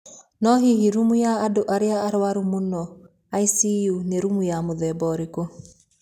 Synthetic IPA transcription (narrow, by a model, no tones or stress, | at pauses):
nɔɦiɦiɾumujaːdoʔaɾeaːɾwaɾumonɔ | aisijuneɾumujamoðɛbɔɾeko